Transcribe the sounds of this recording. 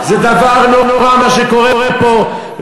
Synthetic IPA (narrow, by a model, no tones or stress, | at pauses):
zɛd̪avaʁnonoʁamaʃeko̞ʁeʁepo